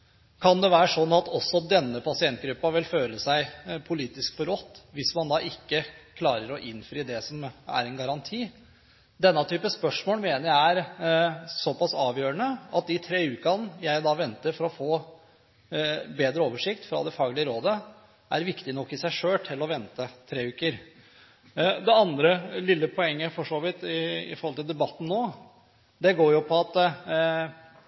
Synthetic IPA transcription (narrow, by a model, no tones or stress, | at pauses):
kʰɑnd̪ɛʋæːɾəʂɔnːɑt̪ɔsːɔd̪ɛnːəpʰɑsɪɛnt̪̚ɡɾʉpːɑʋɪlføːləsæɪpʰʊliːt̪ɪskfɔɾɔt̪ːʋɪsmɑnd̪ɑːʔɪkːəkʰlɑːɾəɾɔʔɪnfɾiːd̪ɛsɔmæ̰ɾɛnɡɑɾɑnt̪ʰiː | d̪ɛnːɑt̪ʰyːpəspœʂmoːlmeːnəɾjææɾ | sɔpɑsɑːʋjøːɾəɳəɑt̪̚d̪ɪt̪ʰɾeːʉːkɑnjæɪd̪ɑːʋɛnt̪əɾfɔɾɔfoː | beːd̪ɾəoːʋəʂɪkt̪fɾɑ̰d̪ɛfɑːɡlɪəɾoːd̪ə | ʔæ̰ɾʋɪkt̪ɪnɔkːɪsæɪʂøːlʈ̪ʰɪlːɔʋɛnt̪ət̪ʰɾeːʉːkəɾ | d̪ɛɑnd̪ɾəlɪlːəpʰɔɛŋːəfɔʂoːʋɪt̪ɪɪ̰fɔɾhɔlt̪ɪld̪ɛbɑt̪ːn̩noː | d̪ɛɡoːɾjʊpʰɔɑt̪